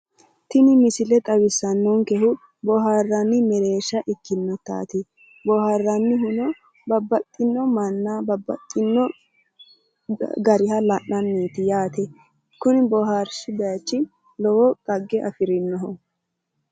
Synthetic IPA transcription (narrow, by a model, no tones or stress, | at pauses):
t̪ɪnɪmɪsɪlɛt̪ʼɐwɪsːɐnːoŋkɛhʊ | bɔɦaːrːɐnːɪmɛɾe̞ːʃɐʔɪkːɪnːɔt̪a̰ːt̪ɪ | bɔharːɐnːɪɦʊnɔ | bɐbːɐt̪ʼːɪnːɔmɐnːabɐbːɐ̰t̪ʼːɪnːɔ | ɡɐɾɪhɐlɐʔɐnːiːt̪ɪjaːt̪ɛ | kʊnɪbɔɦaɾʃɪbɛjɐt͡ʃːɪ | lɔwɔkʼɐɡːɛʔɐfɪɾɪnːɔɦɔ